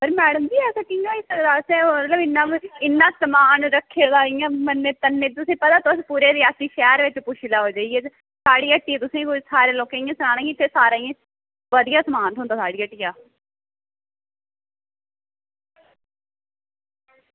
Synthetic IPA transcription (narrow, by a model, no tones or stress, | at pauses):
pəɾmɛːɽəmd͡ʒiːɛːsəkːijãːɪsɾasẽːət̪ləbɪnːãːɪnːãːsəmaːnɾəkʰːeːd̪aːɪjãːmənːẽːt̪ənːeːt̪ʊsĩːpət̪aːt̪oəspuːɾeːd̪eːaːsĩːʃɛːɾʋɪt͡ʃpʊʃɪlaːɦoːd͡ʒaːieː | saːɽiːəʈːiːɛːt̪ʊsĩːkosaːɾeːloːkẽːɪjãːsənaːnãːj̃ɪt̪ʰːeːsaːɾaːjãː | ʋəd̪ijaːsəmaːnt̪ɦʊːnd̪aːsaːɽiːəʈːiːjaː